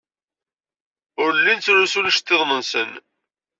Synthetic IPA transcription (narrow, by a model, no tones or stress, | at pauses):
ʊɾlːint͡sːɾusulʃt̪ːeðˤnənsən